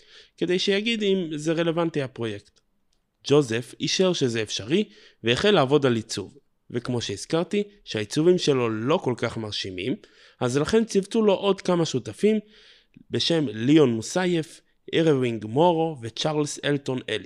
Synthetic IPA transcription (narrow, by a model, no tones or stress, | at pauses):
ke̞de̞jʃejaɡidimzeʁe̞le̞vantiapʁo̞je̞kt | d͡ʒo̞ze̞fiʃeʁʃezeːfʃaʁi | veːχelaːvo̞dalit͡suv | vekmo̞ʃeiz̥kaʁt̪i | ʃehait͡suvimʃe̞lo̞lo̞ko̞lkaχmaʁʃimim | azlaχe̞nt͡sivtulo̞ʔodkamaʃutafim | be̞ʃe̞mlio̞nmusajef | ʔeʁeviŋɡmo̞ʁo̞vet͡ʃaʁlselto̞neli